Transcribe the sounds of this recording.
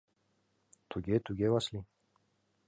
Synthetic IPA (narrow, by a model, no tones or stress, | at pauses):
t̪ʰuɡet̪uɡʲewasli